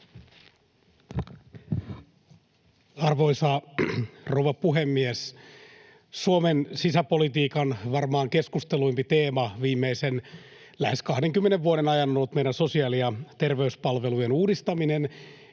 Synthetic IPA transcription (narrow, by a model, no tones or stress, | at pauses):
ɑrʋoisɑ | rowʋɑpuɦemːies | suomensisæpo̞lit̪iːkɑnʋɑrmɑːŋke̞skust̪eluimpit̪e̞ːmɑʋiːmːeisen | læheskɑhdeŋkymːeneʋːuoɾenɑjɑnːolt̪mejdænso̞siɑːliɑt̪e̞rʋe̞yspɑlʋe̞lujenuːdist̪ɑminen